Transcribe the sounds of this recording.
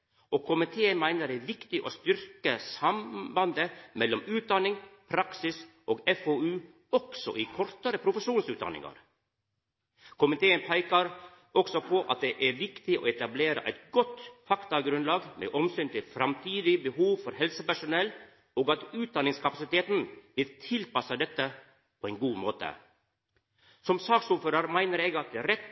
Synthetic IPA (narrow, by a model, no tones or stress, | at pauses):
ʔokʰʊmɪt̪ʰeːənmæɪnəɾæːɾʋɪkt̪ɪʔoːst̪ʏɾkəsɑmbɑnd̪əmɛlːɔmʉːt̪̚d̪ɑnɪŋpʰɾɑksɪs | ʔoːɡɛfoʉː | ɔksɔ̰ʔiːkʰɔɾt̪əɾəpʰɾʊfəʂuːnsʉːt̪d̪ɑ̰nɪ̰ŋɑ̰ɾ | kʰʊmɪt̪ʰeːənpʰæɪkəɾ | ɔksɔpʰɔʔɑ̰t̪̚d̪ɛʔæɾʋɪkt̪ɪʔo̰ːɛt̪ɑbleːɾə̰ʔæ̰ɪt̪ɡɔt̪fɑkt̪ɑɡɾʉnlɑːɡmḛːʔɔmsyːnt̪ɪlfɾɑmt̪ʰiːd̪ɪbəhuːʋfɔɾhɛlsəpæʂʊnɛl | oːɡɑt̪ʉːt̪̚d̪ɑnɪŋskɑpɑsɪt̪eːt̪nʋɪlt̪ʰɪlpɑsɑd̪ɛt̪ːə | pʰoːɛɪnɡuːmoːt̪ə̰ | sɔmsɑːksuːføːɾɑɾmæɪnəɾeːɡɑt̪̚d̪ɛɾɛt̪